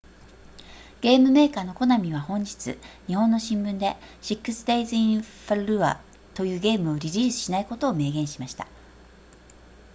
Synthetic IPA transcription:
ɡ̥e̞ːmɯ̟me̞ːkaːno̞ko̞namʲiβahõ̞ɲ̟d͡ʑi̥t͡sɨ̰ɲ̟ihõ̞nːo̞ɕĩmbɯ̟̃nd̪e̞ɕikːɯ̟sɨ̥d̪eizɨĩɸaɾɯɾɯ̟βa̰ | t̪o̞jɯ̟ːɡe̞ːmɯ̟o̞ɾʲiɾʲiːsɨ̥ɕinaiko̞t̪o̞ːme̞ːɡẽ̞ɰ̃ɕimaɕi̥t̪a

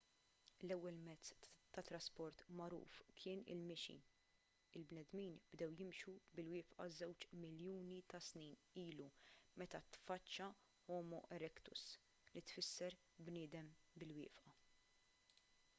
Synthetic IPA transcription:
lɛwːɛlmɛt͡sːt̪ːɐt̪ɾɐspɔɾt̪mɐɾṵːfkʰɪːnɪ̰lmɛʃḭ | ɪlbnɛd̪miːnbd̪ɛwjɪmʃubɪlwɪːfʔɐ̰zɛwt͡ʃmɪljuːnit̪ɐsniːniːlumɛt̪ɐt̪fɐt͡ʃːɐ | hɔːmɔʔɛɾɛkt̪ʊ̰s | lit̪fɪsːɛɾ | bnɪːd̪ɛmbɪlwɪ̰ːfʔɐ

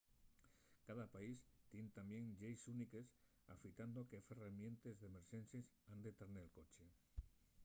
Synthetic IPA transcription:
kaðapaist̪jent̪ambjeŋʎejsunikes | a̰fit̪and̪okeferemjẽ̞nt̪ezðemeɾʃensesand̪et̪aɾnelkot͡ʃe

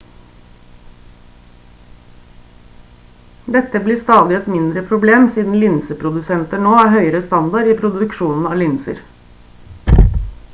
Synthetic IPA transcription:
d̪ɛt̪əbliːst̪ɑːd̪ɪɛt̪mɪnd̪ɾəpʰɾʊbleːmsiːd̪n̩lɪnsəpʰɾʊd̪ʉsɛnt̪əɳoːæːɦœʏəɾəst̪ɑnd̪ɑɾiːpʰɾʊd̪ʉkʃuːnn̩ɑːlɪnsə̰ɾ

